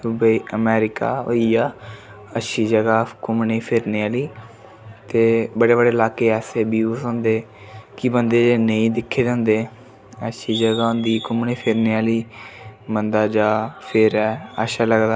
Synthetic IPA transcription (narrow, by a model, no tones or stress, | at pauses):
subiːʔəmɛːɾɪka̰ːo̰iːaː | əʃiːd͡ʒəɡaːkʊmneːpʰɪɾneːaːliː | t̪eːbəɽeːbəɽeːlaːkeːɛːseːbiusõːnd̪eː | kibənd̪eːd͡ʒeːneĩːd̪ɪkʰːeːd͡ʒãːnd̪eː | əʃiːd͡ʒəɡaːʊ̃nd̪iːkʊmneːpʰɪɾneːaːliːbənd̪aːd͡ʒaːpʰɪɾɛːəʃaːləɡd̪aː